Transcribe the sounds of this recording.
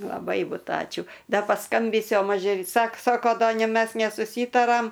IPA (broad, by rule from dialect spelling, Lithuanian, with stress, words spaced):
lˠɐˈbɐɪ ˈbʊt ˈɑːt͡ʃʲuː ˈdɐ pɐˈskɐmʲbʲiːsʲʊ oː ˈmɑːʒʲeː ˈsɐk ˈsɑːkoː ˈdɐ nʲeː ˈmʲɛs nʲɛsʊˈsʲiːtɐrɐm